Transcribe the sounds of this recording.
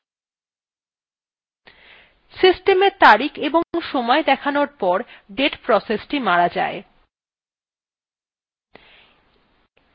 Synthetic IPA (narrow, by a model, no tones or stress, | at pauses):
sisʈemeɾt̪aɾikʰeboŋʃɔmɔed̪ɛkʰanoɾpɔɾɖeʈpɾɔsesʈimaɾad͡ʑa̰e